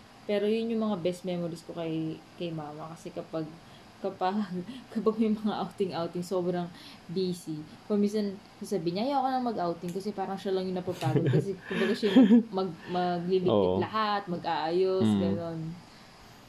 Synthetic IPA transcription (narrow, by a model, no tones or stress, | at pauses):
pɛːɾojʊnjʊŋmɐŋabɛst̪̚mɛmoɾiskokɐjkɐjmaːmɐkɐsɛkɐpaɡ̚ | kɐpaɡkɐpaɡ̚mɛjmɐŋaʔawt̪ɪŋʔawt̪ɪŋso̞ːbɾɐŋ | biːsipminsɐn | sasabɪɲɐʔɐjoʔɐkonɐŋmɐɡʔawt̪ɪŋkɐsɛpaːɾɐŋʃalɐŋjʊŋnɐpapaːɡod̪kɐsɛkʊmbɐɡaʃajŋmɐɡ̚mɐɡ̚liliɪlɐhat̪̚mɐɡʔaːʔajosɡɐno̞n